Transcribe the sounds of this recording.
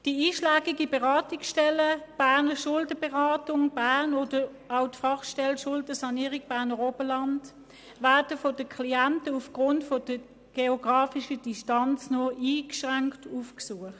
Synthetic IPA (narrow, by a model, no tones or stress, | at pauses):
d̥iiːʃlæːɡiɡibɛʁɑːtiksʃtɛləb̥æɐnəʃʊldəbɛʁɑːtʊŋb̥æʁnoːdə | aʊtfɑχʃtɛlʃʊldəsɑniːʁiɡ̚b̥æːɐnəʁoːb̥əlɑnt | væːɐd̥əfɔdəkʰliæntəufɡ̥ʁʊntfɔd̥ə | ɡ̥eoɡ̥ʁɑːfiʃədiʃtɑnt͡snɔʔiːkʃʁaŋktufksuəχt